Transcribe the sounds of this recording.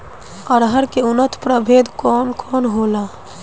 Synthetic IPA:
əɾɦəɾkeʊnət̪pɾəbʱeːd̪kɔːnkʰɔːnɦoːlaː

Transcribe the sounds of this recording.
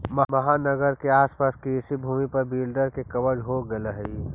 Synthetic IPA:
mɐmɐɦanəɡəɾkeaːspaːskiɪsibʱuːmipɐɾbiːlɖəɾkekɐʋəd͡ʒɦoɡeləɦi

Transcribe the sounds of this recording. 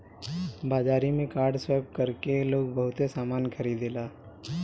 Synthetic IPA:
baːd͡ʒaːɾimẽkaːɾɖsweːb̚kəɾkeloːɡ̚bəɦʊt̪esaːmaːnkʰɐɾiːd̪elaː

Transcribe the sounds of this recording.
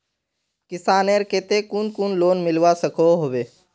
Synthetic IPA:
kɪsaːneɾkeːt̪ekunkunloːnmɪlʋasəkʰoɦoʋeː

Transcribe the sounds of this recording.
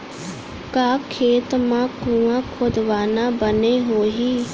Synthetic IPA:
kaːkʰeːt̪mãːkũːãːkʰoːd̪ʋaːnãːbəneːɦoːɦiː

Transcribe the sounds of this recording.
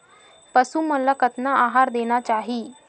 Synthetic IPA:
pəsuːməlakət̪naaɦaɾd̪eɽ̃at͡ɕaɦiː

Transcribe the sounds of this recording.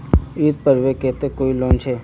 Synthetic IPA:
iːt̪̚pəɾʋekeːt̪ekoːilɔ̃ːnt͡ʃʰeː

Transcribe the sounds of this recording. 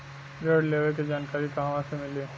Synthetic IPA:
ɾəːɖleːʋek̬ed͡ʒaːnkaːɾikɐɦãʋãsemɪleː

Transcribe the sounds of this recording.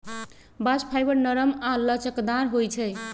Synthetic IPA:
baspʰajbəɾnəɾəmalət͡ʃəkd̪aɾɦojt͡ʃʰɛ

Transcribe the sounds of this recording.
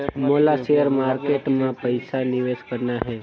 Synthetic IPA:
moːlaʃejəɾmaːɾkeːʈmãpəɪsanɪʋeːskəɾnaɦɛː

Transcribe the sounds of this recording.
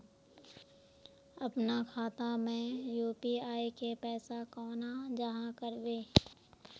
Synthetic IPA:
əpnakʰaːt̪amẽjuːpiaːikepɛːsakɔːnad͡ʒəɦãkəɾbeː

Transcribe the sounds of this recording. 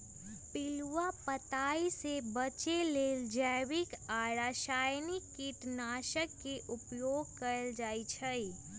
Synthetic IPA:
pɪlwapət̪aːisebət͡ʃeleːld͡ʒəwɪkaːɾaːʃaːjnikːiʈnaːʃəkːeʔʊpjoːɡ̚kəɾəld͡ʒaːit͡ʃʰəi

